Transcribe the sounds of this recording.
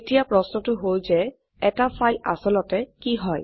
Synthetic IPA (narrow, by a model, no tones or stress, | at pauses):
etijapɹɔsnɔtʊɦojzɛ | ɛtafʰajla̰sɔlɔtɛkiɦɔj